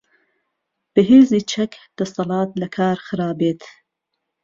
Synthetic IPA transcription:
b̥ɨɦeːziːt͡ʃʰɛkd̪̥ɐsɑlɑːt̪̚lɐkʰɑːɾxɨɾɑːbeːt̪ʰ

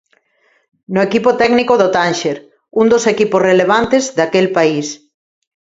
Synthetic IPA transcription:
noekipot̪ɛɡnikoðot̪anʃeɾ | und̪osekiposreleβ̞ant̪ezðakelpais

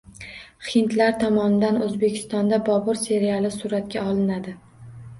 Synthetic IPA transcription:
χɪnt̪laɾt̪ʰɒmɒnɪd̪anɵzbe̞kʲʰɪ̥st̪ɒnd̪abɒbɒɾse̞ɾialˠɪsuɾat̪kʲaɒlˠɪnad̪ɪ

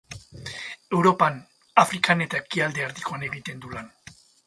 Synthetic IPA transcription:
e̞wɾo̞pan | afɾikane̞t̪aekiald̪e̞aɾt̪ikoane̞ɣit̪e̞nd̪ulan

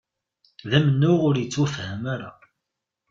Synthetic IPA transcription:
ðæmənːʊʁʊɾjət͡sːwəfhæmaɾa

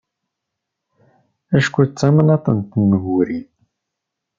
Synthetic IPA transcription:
æʃkʷut͡sːæmənɑt̪ˤənt̪ənːəɣuɾi

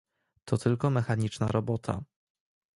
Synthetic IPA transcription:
t̪ʰɔt̪ʰɘlkɔmɛxaɲit͡ʂna̰ɾɔbɔt̪ʰa̰

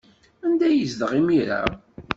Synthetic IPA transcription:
ænd̪æjəzd̪əʁimiɾa̰

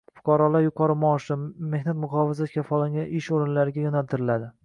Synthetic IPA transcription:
fʊ̥qʰɒɾɒlaɾjʊqʰɒɾɪmɒːʃɪme̞hnat̪mʊʁɒvɪzakʲʰafɒlaŋɡʲanɪʃoɾɪnlaɾɪɡʲajɒnalt̪ʰɪɾɪlad̪ɪ

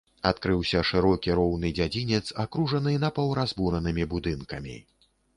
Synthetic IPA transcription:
at̪kɾɨwsʲɐʂɨɾɔkʲiɾɔwnɨd͡zʲad͡zʲinʲɛt̪sakɾuʐɐnɨnɐpɐwɾazbuɾɐnɨmʲibud̪ɨnkɐmʲḭ

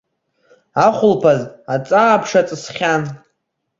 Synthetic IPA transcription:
aχʷʊlpʰazat͡sʼaːpʰʂat͡sʼɨsχʲan

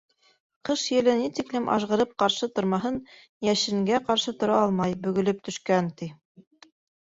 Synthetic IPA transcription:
qɤʃjɘ̆lɘnit̪iklɘmʔɑ̰ʃʁɤ̆ɾɤp̚qɑɾʃɤt̪ŏɾmɑɦɤn | jæʃɘ̆ŋɡæqɑɾʃɤt̪ŏɾɑɑlˠmɑjbɵ̆ɡɵ̆lɘp̚t̪ɵ̆ʃkænt̪i

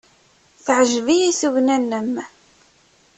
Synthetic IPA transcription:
θʕəʒvijiθuʝnænːəm

